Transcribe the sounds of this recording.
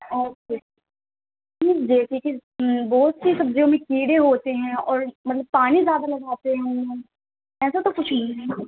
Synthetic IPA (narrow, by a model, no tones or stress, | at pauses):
oːkeː | ʈʰiːkd͡ʒeːʈʰiːkebɔːt̪sisɐbzõmẽkiːɽeɦoːt̪eɦɛ̃ɔːɾmɐt̪ləb̚paːnizjaːd̪alɐɡaːt̪eɦɛ̃ʊmnõː | ɛːsat̪okʊt͡ʃʰnɐ̃